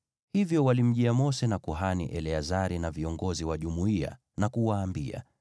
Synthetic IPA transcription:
hivjɔwalim̩ʄiamɔsɛnakuɦanḭʔɛlɛazaɾinaviɔŋɡɔziwaʄumuia̰ | nakuwaːmbia̰

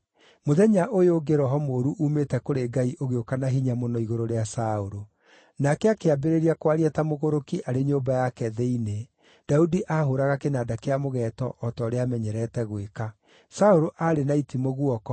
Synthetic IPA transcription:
moðɛɲaʔojoɡeɾɔɦɔmoːɾuʔuːmetɛkoɾeɡaiʔoɣeokanaɦiɲamonɔiɣoɾoɾeasaoɾo | nakɛakeabeɾeɾiakwaɾiatamoɣoɾokiʔaɾeɲoːbajakɛðɛine | d̥audiʔahoɾaɣakenadakeamoɣɛtɔʔɔtɔːɾeamɛɲɛɾɛtɛɣweka | saoɾoʔaɾenaitimoɣwɔkɔ

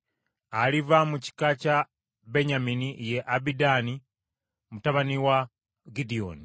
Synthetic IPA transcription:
alivamuci̥kaca | be̞ɲaminije̞ʔabidani | mutaβaniwa | ɡidio̰ːni

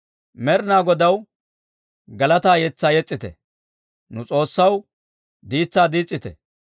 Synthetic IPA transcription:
mɛɾnaːɡɔd̪ɐw | ɡɐlɐt̪aːjɛt͡sːaːjɛt͡sʼːɪt̪ɛ̰ | nʊt͡sʼo̞ːsːɐw | d̪iːt͡sːaːd̪iːt͡sʼːɪt̪ɛ̰

